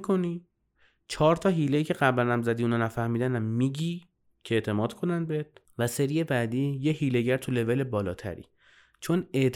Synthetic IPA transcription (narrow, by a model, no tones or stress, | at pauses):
kʰoni | t͡ʃʰɒːɾt̪ʰɒːɦiːle̞jiːcʰe̞ɢæblænæmzæd̪iːuːnɒːnæfæhmiːd̪ænæmːiːɟiː | cʰeeʔt̪ʰe̞mɒːd̪̥kʰo̞nænd̪̚beet̪̚ | væse̞ɾije̞bæːd̪iːjehiːle̞ɟæɾt̪ʰule̞ve̞le̞bɒːlɒːt̪ʰæ̰ɾḭː | t͡ʃʰo̞ne̞ʔt̪